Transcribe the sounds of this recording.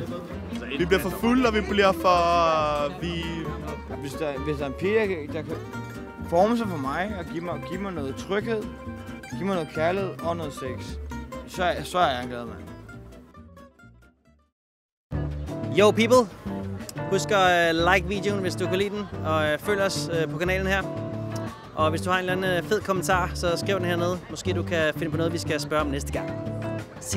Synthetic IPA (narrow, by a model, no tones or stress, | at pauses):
ʋib̥liɐfɒful̰d̥ɒʋib̥liɐ̰fɒ | ʋi | ʋe̝sd̥ɑʋesd̥ɑæɐenpʰeɐd̥ɑkʰæ | fɒːməs̬ɑɪfɒmɑ̈ɪɒ̽ɡ̥ḭmɡ̥ḭːmɑ̈ɪnɔːð̩ˠt͡sʰʁœɡ̥he̝ð̞̰ˠɡ̥ḭːmanɔ̽ːð̩ˠkʰæɐlihe̝ð̰ˠɒ̽nɔ̽ːð̩ˠseɡ̥ssɒsɒæɐjænɡ̥lɛːðˠmɑɪ | joʊpiːb̥l̩ˠ | husɡ̥ɐlɑ̈ɪɡ̥ʋḭːd̥jonʋe̝sd̥ukʰælḭːd̥enɒ̽fø̰ːlɒsøpʰɒ̽kʰænɛ̰ːln̩heɐ̰ | ʔɒ̽ʋe̝sd̥uhɑ̈e̝nlæn̩fe̝ð̰ˠkʰɒ̽mən̩t͡sʰɑ̰̈ːsɒ̽sɡ̥ʁiʊd̥enheɐneðˠmɒsɡ̥e̝̰ːd̥ukʰæfe̝nəpʰɒno̽ːð̞̩ˠʋisɡ̥æsb̥ɶɐɒ̽mnesd̥əɡ̥ɑ̈ŋ̰